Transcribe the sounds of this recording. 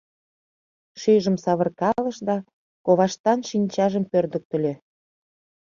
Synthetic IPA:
ʃyjʒə̆msɑβərkɑləʃd̪ɑ | koβɑʃt̪ɑnʃinʲt͡ɕɑʒəmpørd̪ə̆k̚t̪ə̆lʲe

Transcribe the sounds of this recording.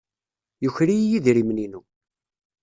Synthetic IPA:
jʊçɾijjiðɾimninu

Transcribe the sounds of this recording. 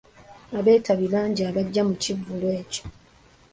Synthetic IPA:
aβe̞ːtaβilaːɲɟiaβaɟːamucivːulwe̞ːco

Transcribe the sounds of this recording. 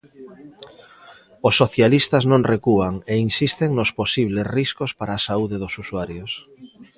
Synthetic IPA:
osːoθjalist̪aznõŋrekuaŋeinsist̪eŋnosposiβ̞lesriskospaɾaːsauðeðosusuaɾjos

